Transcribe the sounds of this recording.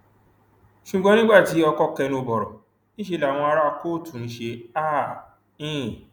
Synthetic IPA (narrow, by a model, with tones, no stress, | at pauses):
ʃu˨ɡ͡bɔ̃˨˧nĩ˦ɡ͡ba˦˨ti˨˦ɔ˧kɔ˦kɛ˧nũ˧bɔ˨ɾɔ̰˨ | nĩ˦ʃe˧la˨w̃ɔ̃˧a˧ɾa˦˧koː˦˨tũ˨˦ʃe˧a˦ | ĩ˦˨